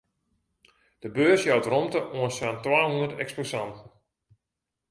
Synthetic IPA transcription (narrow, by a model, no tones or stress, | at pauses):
d̥əbøːsjawtromtəʔoənsantwaːhundətɛ̰ksposantn̩